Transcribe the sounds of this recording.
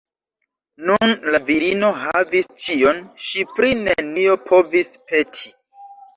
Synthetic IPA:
nunlaviɾino̞ɦavist͡ʃio̞nʃipɾinenio̞pʰo̞vispʰe̞tʰi

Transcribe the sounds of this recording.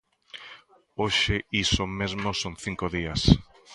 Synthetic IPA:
oʃeisomezmosoŋθiŋkoðias

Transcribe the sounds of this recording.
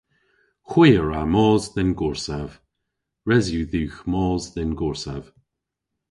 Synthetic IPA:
xwiːəɹamɔːzðɪnɡʊɹsav̥ | ɹɛzjuðuːxmɔːzðɪnɡɔɹsav̥

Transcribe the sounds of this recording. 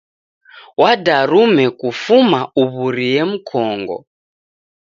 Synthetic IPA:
wadaɾumɛkufumauβuɾijem̩kʰɔːŋɡɔ̰

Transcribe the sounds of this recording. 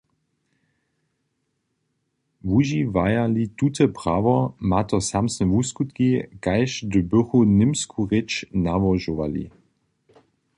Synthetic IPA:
vuʒivajalitutʰəpʁ̥avɔmatɔsamsnɛvuskut̪kikajʃdəbʏʁunɪmskʰuʁɪt͡ʃnavɔʒuva̰lḭ

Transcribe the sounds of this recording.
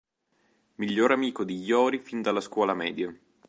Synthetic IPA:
miʎːoːɾamiːkod̪ijɔːɾifind̪alːaskwɔːlamɛ̰ːd̪ja

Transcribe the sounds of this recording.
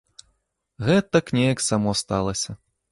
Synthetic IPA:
ɣɛt̪ɐknʲɛjɐksamɔst̪alˠɐsʲɐ

